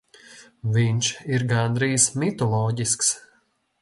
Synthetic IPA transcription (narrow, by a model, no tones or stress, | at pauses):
vinʲʃiɾɡand̪ɾiːsmit̪ɔlˠɔːɟʲisks